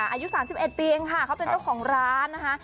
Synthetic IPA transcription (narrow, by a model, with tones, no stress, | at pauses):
ʔaː˧ju˦˥saː˩˦msi˨˩p̚ʔe˨˩t̪̚piː˧e˧ŋkʰa˥˩kʰa˦˥wpe˧nt͡ɕa˥˩wkʰɔː˩˦ŋɾaː˦˥nːa˦˥kʰa˦˥ʔ